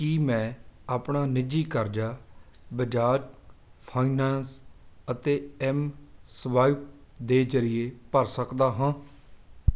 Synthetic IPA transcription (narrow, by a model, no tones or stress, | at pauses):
kiːmɛ̃ːaːpɳaːnɪd͡ʒiːkəɾd͡ʒaː | bəd͡ʒaːd͡ʒpʰaːinɛːnsət̪eːɛːmsʋaːip̚d̪eːd͡ʒəɾɪjeːpəɾsəkd̪aːɦãː